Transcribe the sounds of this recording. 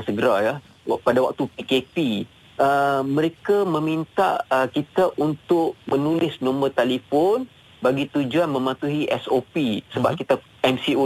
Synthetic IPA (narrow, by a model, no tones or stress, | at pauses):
səɡəɾaja | padawa̰k̚t̪upikepi | ʔəmə̃ɾekamə̃mint̪a̰ʔəkit̪aʔunt̪ʊʔ̚mə̃nulɪsnõmbərt̪alifɔn | baɡit̪ud͡ʒuanmə̃mat̪uɦiʔɛsopisəbap̚kit̪a | ɛmsiu